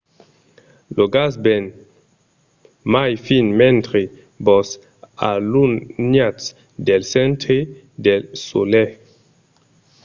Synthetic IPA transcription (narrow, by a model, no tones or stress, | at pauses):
loɡasben | majfinmɛnt̪ɾe | bɔs | a̰lunnjas | d̪elsɛnt̪ɾe | d̪elso̰lɛ